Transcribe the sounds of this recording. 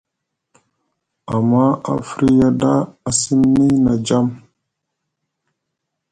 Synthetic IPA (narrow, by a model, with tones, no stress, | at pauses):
a˨mːa˦a̰˨fɾi˦ja˦da˦a˨si˦mni˦na˨d͡ʒa˦m